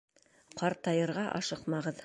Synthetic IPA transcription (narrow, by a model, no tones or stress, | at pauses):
qɑɾt̪ɑjɤ̆ɾʁɑʔɑ̰ʃɤqmɑʁɤð